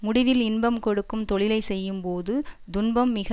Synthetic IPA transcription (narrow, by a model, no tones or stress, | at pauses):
mʊɽɪʋɪlɪnbɐmkɔɽɯkːɯmt̪ɔɭɪlɐɪsɛjːɯmpoːðɯd̪ʊnbɐmːɪɣɐ